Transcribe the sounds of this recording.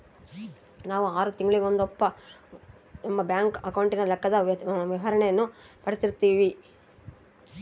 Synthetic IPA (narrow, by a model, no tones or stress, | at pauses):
naːʋuaːɾut̪iŋɡɐɭiond̪ɔpːɐ | nɐmːɐbjaːŋkɐkɐwuɳʈinɐlɛkːɐd̪ɐʋiʋɐɾɐɳejɐnːupɐɽit̪iɾt̪ːiːʋi